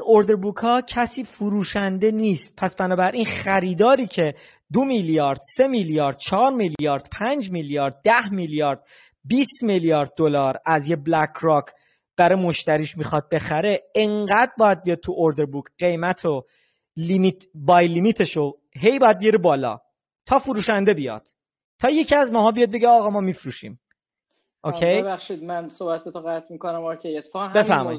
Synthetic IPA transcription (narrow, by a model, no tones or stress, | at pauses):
ino̞ɾd̪eɾbukʰhɒːcʰæsiːfuɾuːʃænd̪e̞niːst̪̚pʰæsb̥ænɒːbæɾʔinχæɾiːd̪ɒːɾiːcʰe̞ | d̪omiljɒːɾd̪̥se̞miljɒːɾd̪̥̚t͡ʃʰɒɾmiljɒːɾd̪̥pʰænd͡ʒmiljɒːɾd̪̚ːæhmiljɒːɾd̪̥̚ | biːst̪miljɒːɾd̪̚ːo̞lɒːɾæzjeblækʰɾɒkʰ | b̥æɾɒjmo̞ʃt̪æɾiːʃmixɒd̪̚be̞xæɾe̞eŋɢæd̪̚bɒːjæd̪̚bijɒdt̪̚t̪ʰuʔoɾd̪e̞ɾbukʰɢ̥e̞jmæt̪ʰo | limit̪ʰbɒːjlimiːt̪ʰe̞ʃo | ɦe̞jbɒjæd̪̚bijɾebɒːlɒ̰ː | t̪ʰɒːfuɾuːʃænd̪e̞bijɒ̰d̪̥̚ | t̪ʰːɒːje̞cʰiæzmɒːɦɒːbijɒd̪̚be̞ɟeɒːɣɒːmɒːmifɾuʃḭːm | ʔokʰejjeβæxʃid̪mænsoːbæt̪ʰot̪oɣæt̪ʰmiːkonæmɔkʰeet̪ʰːe̥fɒɣnbefæɾmɒ̰id̪